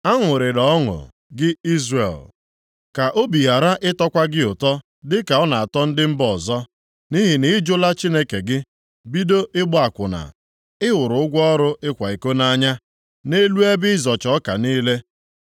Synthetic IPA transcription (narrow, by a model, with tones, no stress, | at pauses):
a˦ŋʷʊ˨ɾɪ˨ɾɔ˨˦ŋʊ̰˨ | ɡɪ˦i˦zrḛ˨l | ka˨ʔo˦bi˨ɦa˨ɾa˦ʔɪ˦tɔ˦kʷa˦ɡɪ˦ʊ˨tɔ˦ | dɪ˦ka˨ɔ˦na˨a˨tɔ˦n̩˦dɪ˦m̩˦bɔ˨zɔ˦ | ni˦ɦɪ˨nɪ˨˦d͡ʒʊ˦la˦t͡ʃi˦ne˦ke˨ɡɪ˦ | bi˦do˦ʔɪ˦ɡ͡bʊ˦a˨kʷʊ˨na̰˨ | ɪ˦wʊ˨ɾʊ˨ʊ˦ɡʷɔ˦ɔ˦ɾʊ˦ʔɪ˦kʷa˨i˨ko˦na˦ɲa˦ | ne˦lu˦e˦bɪ˦ɪ˦zɔ˨t͡ʃɔ˦ka̰˨niː˦le˦